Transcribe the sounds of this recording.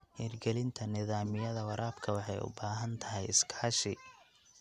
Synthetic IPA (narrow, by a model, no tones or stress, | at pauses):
hiːrɡɛlɪnt̪ʰɐnɪðaːmɪjɐðɐwɑɾʔaːbkʰɐwɑħɑjʊ̰baːɦɐnt̪ʰɐɦɛjɪskʰaːʃɪ